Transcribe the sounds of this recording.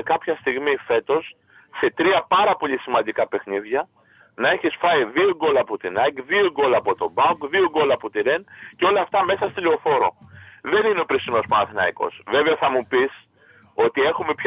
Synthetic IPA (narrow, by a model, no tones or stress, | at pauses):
kɐpçɐst̪iɣmife̞t̪o̞s | se̞t̪ɾiɐpɐɾɐpo̞ʎisimɐnd̪ikɐpe̞xniðʝɐ | nɐe̞çisfɐjðio̞ɡo̞lɐːpot̪inɐjɡðioɡo̞lɐːpo̞t̪o̞bɐɡðio̞ɡo̞lɐːpot̪iɾenceo̞lɐːft̪ɐme̞sɐst̪ilio̞fo̞ɾo̞̰ðe̞nineopɾisino̞spɐnɐθinɐiko̞̰sve̞veɐθɐmupis | o̞t̪ie̞xume̞pç